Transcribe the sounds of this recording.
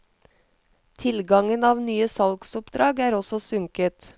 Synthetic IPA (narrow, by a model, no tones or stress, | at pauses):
t̪ʰɪlɡɑŋənɑːʋnyːəsɑlksʊpd̪ɾɑːɡæːɾɔsɔsʉŋkət̪